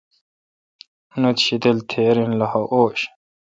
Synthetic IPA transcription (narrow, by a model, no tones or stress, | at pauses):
unut̪ɕit̪elt̪ʰeːɾinlɐhɐʔoːɕ